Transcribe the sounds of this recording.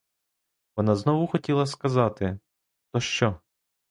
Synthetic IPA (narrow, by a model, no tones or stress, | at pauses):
ʋɔnɑznɔʋʊxɔtʲilˠɐskɐzɑt̪ɪ | t̪ɔʃt͡ʃɔ